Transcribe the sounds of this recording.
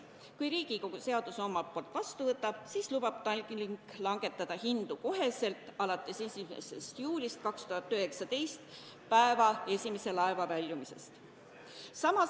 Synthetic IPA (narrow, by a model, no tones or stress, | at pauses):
kujɾiːɡ̥iko̞ɡ̥use̞ɑd̪̥uso̞mɑpoːlt̪ːˑvɑst̪uvɤt̪ːˑɑb̥siːslub̥ɑb̥̚t̪ɑlʲkliŋklɑŋɡe̞t̪ːˑɑd̪̥ɑhind̪̥uko̞ɦe̞se̞lt̪ˑɑlɑt̪ˑːe̞sesimḛse̞̰st̪juːlʲist̪̚kɑkst̪uɦɑt̪ːˑøhe̞ksɑt̪e̞jst̪ | pæe̞vɑe̞sʲime̞se̞lɑe̞vɑvælʲjumise̞̰st̪ | sɑmɑ